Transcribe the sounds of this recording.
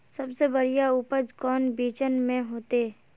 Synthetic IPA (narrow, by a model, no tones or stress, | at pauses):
sɐbsebəɾijaʊpəd͡ʒkɔːnbiːt͡ʃənmẽɦoːt̪e